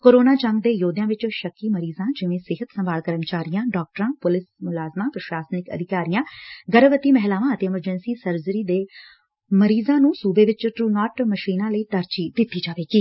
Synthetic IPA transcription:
koːɾoːnaːt͡ʃəŋɡd̪eːjoːd̪jãːʋɪt͡ʃʃəkːiːməɾiːzãːd͡ʒɪʋẽːsɪɦət̪səmbaːlkəɾəmt͡ʃaːɾijãːɖɔːk̚ʈəɾãːpʊlɪsmʊlaːzmãːpɾəʃaːsnɪkə̰d̪ʱɪkaːɾijãːɡəɾəʋət̪iːmɛɦlaːʋãːət̪eːɪməɾd͡ʒɛnsiːsəɾzəɾiːd̪eː | məɾiːzãːnũːsuːbeːʋɪt͡ʃʈɾuːnɔːʈməʃiːnãːləiːt̪əɾt͡ʃiːd̪ɪt̪ːiːd͡ʒaːʋeːɡiː

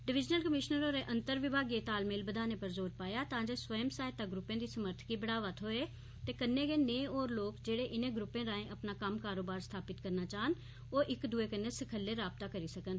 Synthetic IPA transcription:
ɖɪʋɪd͡ʒnəlkəmɪʃnəɾoɾeʔə̃nt̪əɾʋɪbʱaːɡjet̪aːlmeːlbəd̪ʱaːnepəɾzoːɾpaːjat̪ãːd͡ʒesʋəjəmsaːɪt̪ːaɡɾʊpːẽd̪isəməɾt̪ʰkibəɽaːʋət̪ɦoːe | t̪eːkənːeɡeːnẽːoːɾloːkd͡ʒeːɽeʔɪnẽɡɾʊpːẽɾãːẽʔɐpnakəmkaːɾoːbaːɾst̪ʰaːpɪt̪kəɾnat͡ʃaːɦən | oːʔɪkd̪ʊekənːeskʰəlːeɾaːb̚t̪akəɾisəkən

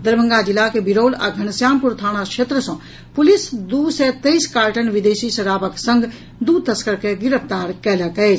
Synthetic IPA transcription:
d̪əɾbʱə̃ŋɡad͡ʒilːakebiɾoːla̰ɡʱəñəsjaːmpuɾt̪ʰaːñakʃʰet̪ɾəsə̃ | pulisd̪usɛt̪əjskaːɾʈənʋid̪esisəɾaːbəksə̃ŋɡ | d̪ut̪əskəɾkeɡiɾəpʰt̪aɾkɛləkɛɪt͡ʃʰ

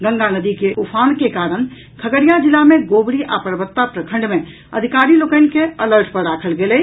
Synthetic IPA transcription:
ɡə̃ŋɡanəd̪ikeʔupʰankekaɾən | kʰəɡəɾijad͡ʒilːameɡobɾiʔapɾəbət̪ːapɾəkʰə̃ɳɖme | əd̪ʱikaɾilokəɪnkeələɾʈpəɾɾakʰəlɡelɛ

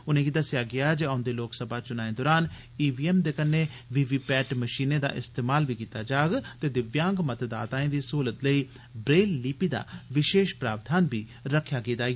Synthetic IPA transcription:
ʊnẽːɡiːd̪əsɪjaːɡɪaːd͡ʒeãʊnd̪eːloːksəbʱaːt͡ʃʊnaːẽd̪ɔːɾaːn | iːʋiːɛːmd̪eːkənːeːʋiːʋiːpɛːʈməʃiːneːd̪a̰ːʔɪst̪eːmaːlbiːkiːt̪aːd͡ʒaːɡt̪eːd̪ɪʋjãːŋɡmət̪d̪a̰ːt̪ãːẽːd̪iːsuːlət̪ləiː | bɾeːlːiːpiːd̪a̰ːʋɪʃeːʃpɾaːbd̪ʱaːnbiː | ɾəkʰːjaːɡiːd̪aː

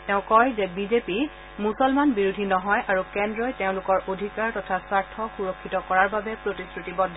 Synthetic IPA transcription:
tɛʊ̃kɔjzɛbizepi | musɔlmanbiɹudʱinɔɦɔjʔaɹukɛndɹɔjteʊ̃lʊkɔɹʔodʱikaɹtɔtʰasaɹtʰɔxuɹɔkʰːitɔkɔɹaɹbabɛpɹotisɹutibɔdʱːɔ

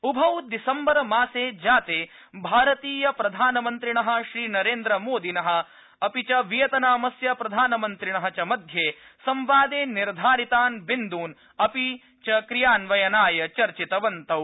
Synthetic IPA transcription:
ubʱɐwd̪isɐmbɐɾɐmaːseːd͡ʒaːt̪eː | bʱaːɾɐt̪iːjɐpɾɐd̪ʱaːnɐmɐnt̪ɾiɳɐɦɐ̆ʃɾiːnɐɾeːnd̪ɾɐmoːd̪ʱinɐɦɐ̆ | ɐpit͡ʃɐʋijɐt̪ɐnaːmɐsjɐpɾɐd̪ʱaːnɐmɐnt̪ɾiɳɐɦɐt͡ʃɐmɐd̪ʱjeːsɐmʋaːd̪eːniɾd̪ʱaːɾit̪aːnbind̪uːn | ɐpi | t͡ʃɐkɾijaːnʋɐjɐnaːjɐt͡ʃɐɾt͡ʃit̪ɐʋɐnt̪ɐw

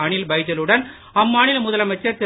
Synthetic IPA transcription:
aːɳɪlbɐɪd͡ʒɐlɯɽɐn | ɐmːaːɳɪlmʊðɐlɐmɐt͡ʃːɐɾt̪ɛ

